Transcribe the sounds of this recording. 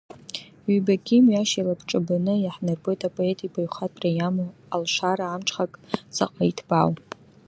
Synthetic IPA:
ɥibakʲʰʼimɥaʃalapʰʈ͡ʂʼɨbanɨjaħnɨrbʼo̞jtʰʼapʼoe̞tʼipajχʷatʼrajamo | alʃʷaɾaːmʈ͡ʂʰʼχakʼt͡sʰa̰qʼaitʰbaw

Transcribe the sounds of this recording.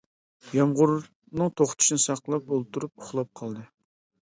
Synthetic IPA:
jɑmʁʊɾ | nɨŋt̪ʰoχt̪ʰu̥ʃnɨsɑqlˠɑp̚olˠt̪ʰuɾup̚ʊχlˠɑp̚qʰɑlˠd̪ɨ

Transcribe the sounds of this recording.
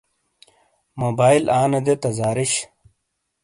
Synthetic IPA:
moːbaːilʔaːnɐd̪et̪ɐzaːɾiɕ

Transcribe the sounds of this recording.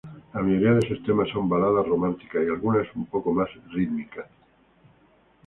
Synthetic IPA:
lamiɲoɾiaðesest̪emaso̞mbalaðaromãnt̪i̥kaialɣunaesumpokomasriðmika

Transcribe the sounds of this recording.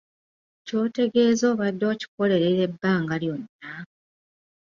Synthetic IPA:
co̞ːte̞ɡe̞ːzo̞ːβadːo̞ːci̥ko̞le̞ɾeɾe̞bːaːŋɡaljo̞nːa

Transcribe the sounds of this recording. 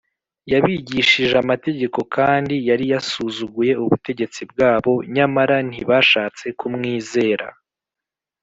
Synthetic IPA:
jaβiɟiʃiʒeamate̞ɟe̞ko̞kaːndijaɾijasuzuɡuje̞uβute̞ɟe̞t͡sibɡaːβo̞ɲamaɾan̥iβaʃaːt͡se̞kumŋiːze̞ːɾa̰

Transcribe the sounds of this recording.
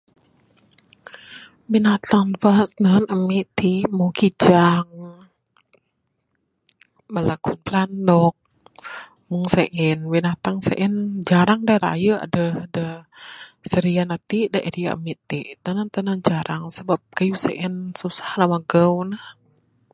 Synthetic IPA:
binat̪anpasnənəmiʔt̪imuŋkid͡ʒaŋ | məlakunplandɔk̚ | muŋsɛʔɛnbinat̪aŋsɛ̰ʔɛnd͡ʒaɾaŋdaɾa̰jəa̰dəhdə | səɾianat̪idaʔiɾia̰ʔə̰miʔt̪it̪anant̪ənənd͡ʒaɾʔaŋsəbap̚kajusɛ̰ʔɛnsusḁhlamaɡəwnah

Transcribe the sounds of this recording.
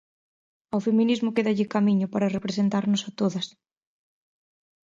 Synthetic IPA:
awfemĩnizmʊkeðaʎɪkamiɲʊpaɾarepɾesent̪aɾnʊsat̪oðɐs

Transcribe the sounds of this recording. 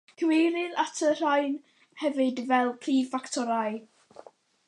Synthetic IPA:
ɡ̥ʰwejɾɪðatʰər̥ajn | hɛvɨdvɛlˠpʰriːfaktʰɔɾaj

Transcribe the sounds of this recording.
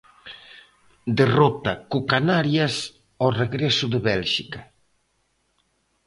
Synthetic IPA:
d̪erot̪akukanaɾjas | oreɣɾɛsʊðeβɛlʃika

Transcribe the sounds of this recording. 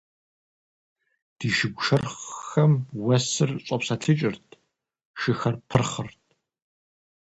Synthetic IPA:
d̥iːʃɪɡʷʂʰɐrχxɐmwɐsɨrɕʷʼɐpsɐtʰɨt͡ʃʼɪrtʰ | ʃɨxɐrpʰɨrχərtʰ

